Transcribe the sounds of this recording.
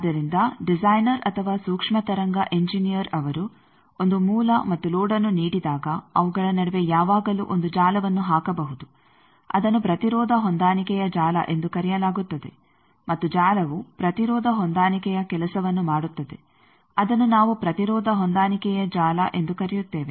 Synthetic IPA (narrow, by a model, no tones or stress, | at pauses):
d̪ːɐɾind̪ɐɖizaːjnɐɾɐt̪ʰɐʋaːsuːkʂmɐt̪ɐɾɐŋɡɐʔe̞ɲd͡ʒinijɐɾɐʋɐɾu | ond̪umuːlɐmɐt̪ːulɔːɖɐnːuniːɽid̪aːɡɐɐʋuɡɐɭɐnɐɽeʋe̞jaːʋaːɡɐlṵʔond̪ud͡ʒaːlɐʋɐnːuɦaːkɐbɐɦud̪u | ɐ̰d̪ɐnːupɾɐt̪iɾɔːd̪ʱɐɦond̪aːnikɛjɐd͡ʒaːlɐ̰ʔe̞nd̪ukɐɾɛjɐlaːɡut̪ːɐd̪e̞̰ | mɐt̪ːud͡ʒaːlɐʋupɾɐt̪iɾɔːd̪ʱɐɦond̪aːnikɛjɐkɛlɐsɐʋɐnːumaːɽut̪ːɐd̪e̞̰ | ɐd̪ɐnːunaːʋupɾɐt̪iɾɔːd̪ʱɐɦond̪aːnikɛjɐd͡ʒaːlɐ̰ʔe̞nd̪ukɐɾɛjut̪ːe̞ːʋe